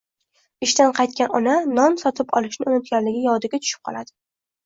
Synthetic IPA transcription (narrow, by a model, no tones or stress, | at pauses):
ɪʃt̪anqʰɑjt̪̚kʲanɒnanɒnsɒt̪ʰɪpɒ̰lˠɪʃnɪʊnɪt̪̚ɡʲanlɪɡʲɪjɒd̪ɪɡʲat͡ʃ̪ʰʊ̥ʃɪ̥p̚qʰɒ̰lˠad̪̥ɪ